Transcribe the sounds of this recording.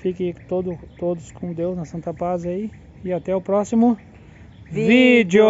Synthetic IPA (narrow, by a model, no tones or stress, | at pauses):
fikɐ̃it̪od̪ʊt̪od̪ʊskõd̪ewznɐsɐ̃nt̪ɐpazai | ɪat̪ɛʊpɾɔsimʊ | vid͡ʒʊ